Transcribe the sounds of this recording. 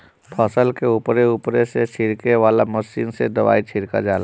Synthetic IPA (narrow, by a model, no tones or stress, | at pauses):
pʰɔːsəlkeuːpɾeuːpɾeset͡ʃʰɪɾkeʋaːlaməsiːnsed̪ɐʋa̰ːit͡ʃʰɪɾka̰d͡ʒaːla